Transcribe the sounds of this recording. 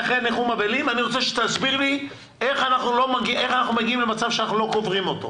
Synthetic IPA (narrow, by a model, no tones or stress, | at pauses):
χʁeneχumabelimaniʁo̞t͡seʃe̥t̪azbiʁli | e̞χanaχnulo̞maɡiʔe̞χanaχnumeɡiimlemat͡savʃeanaχnulo̞ko̞vʁimo̞t̪o̰